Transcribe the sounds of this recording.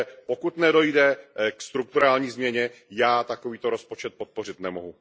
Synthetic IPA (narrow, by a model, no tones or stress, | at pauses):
pokut̪nɛdo̞jdɛkst̪ɾuk̚t̪uɾaːlɲiːzmɲɛɲɛjaːt̪akoviːt̪oɾo̞spot͡ʃɛt̪̚pot̪̚po̞rɪt̪nɛmoɦu